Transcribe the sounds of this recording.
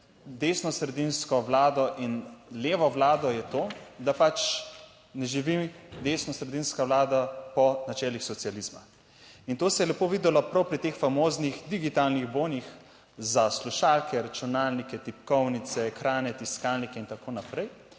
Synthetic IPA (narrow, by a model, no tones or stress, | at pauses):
d̪eːsnɔsɾɛd̪inskɔʋlaːd̪ɔʔinleːʋɔʋlaːd̪ɔjɛt̪oːd̪apat͡ʃ | nɛʒiʋimd̪esnɔsɾɛd̪inskawlaːd̪apɔnat͡ʃɛːlixsɔt̪sializma̰ | int̪oːsɛjɛlɛpoːʋiːd̪ɛlɔpɾawpɾit̪eːxfamoːznixd̪iɡit̪alniɣboːnix | zasluʃaːlkʰɛɾat͡ʃunaːlnikɛt̪ipkɔwnit̪sɛxɾaːnɛt̪iskaːlnikɛint̪akoːnapɾɛj